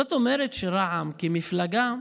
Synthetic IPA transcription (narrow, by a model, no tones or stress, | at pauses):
ot̪omeɾet̪ʃeɾaʕamkimiflaɡa